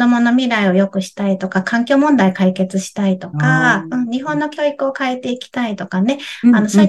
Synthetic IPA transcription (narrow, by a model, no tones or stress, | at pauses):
d̪o̞mo̞no̞mʲiɾaio̞jo̞kɯ̟ɕi̥t̪ait̪o̞kakʰãŋkʲo̞ːmõ̞nd̪aikaike̞t͡sɨɕi̥t̪ait̪o̞kaɯ̟̃ɴɲ̟iɦõ̞nːo̞kʲo̞ːikɯ̟o̞kae̞t̪e̞ikʲi̥t̪ait̪o̞kane̞ano̞ɕa